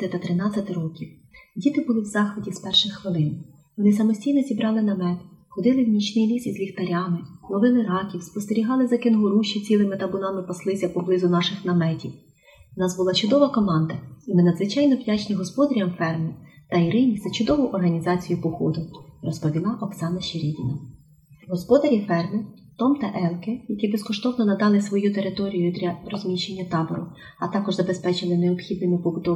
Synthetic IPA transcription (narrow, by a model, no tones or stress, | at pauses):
t̪ɪt̪ɐt̪ɾɪnɑt͡sʲɐt̪ɪɾɔkʲiw | dʲit̪ɪbʊlˠɪwzɑxʋɪdʲispɛrʃɪxxʋɪlˠɪn | ʋɔnɪsɐmɔsʲtʲijnɔzʲibɾɑlˠɪnɐmɛt̪xɔd̪ɪlˠɪwmʲit͡ʃnɪjlʲisizlʲixt̪ɐɾʲɑmɪnˠɔʋɪlɪɾɑkʲiwspɔst̪eɾʲiɦɑlˠɪzɐkenɦʊɾuʃit͡sʲilˠɪmɪt̪ɐbʊnɑmɪpɐslˠɪsʲɐpɔblˠɪzʊnɑʃɪxnɐmɛtʲiw | wnɑzbʊlˠɑt͡ʃʊd̪ɔʋɐkɔmɑnd̪ɐimɪnɐd̪zʋɪt͡ʃɑjnɔʋdʲat͡ʃnʲiɦɔspɔd̪ɐɾʲjɐmfɛrmɪt̪ɐiɾɪnʲizɐt͡ʃʊd̪ɔʋʊʔɔrɦɐnʲizɑt͡sʲijʊpɔxɔd̪ʊrɔspɔʋʲilˠɑʔɔksɑnɐʃeɾʲidʲinɐ | ɦɔspɔd̪ɐɾʲifɛrmɪ | t̪ɔmt̪ɐʔɛlkɪjɐkʲibeskɔʃt̪ɔwnɔnɐd̪ɑlˠɪsʋɔjut̪e̞ɾɪt̪ɔɾʲijʊd̪ʲɾʲɐrɔzʲmʲiʃe̞nʲːɐt̪ɑbɔɾʊ̰ | ɐt̪ɑkɔʒzɐbe̞spɛt͡ʃɪlˠɪneɔpxʲid̪nɪmʲʊpɔbʊt̪ɔ